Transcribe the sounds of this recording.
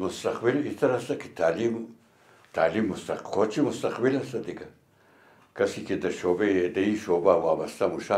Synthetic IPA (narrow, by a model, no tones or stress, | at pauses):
mʊst̪aχbilit̪aɾast̪aki̥t̪ali | t̪alimust̪aqʰot͡ʃimʊst̪aχbilast̪at̪ika | kasikind̪aʃobeed̪eiʃobawabast̪amuʃa